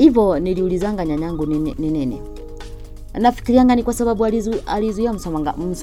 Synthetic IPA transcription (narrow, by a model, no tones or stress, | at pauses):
iβoniliulizaŋɡaɲaɲaŋɡunnenenḛ | anafi̥kiliaŋɡanikwasoβaβwalizalizujamusomaŋɡa̰ms